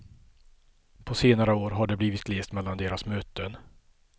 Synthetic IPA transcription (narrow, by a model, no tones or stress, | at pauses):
pʰɔseːnaɾəoːɾɦaɖɛbliːvɪt̪ɡleːst̪mɛlːand̪eːɾasmøːt̪ən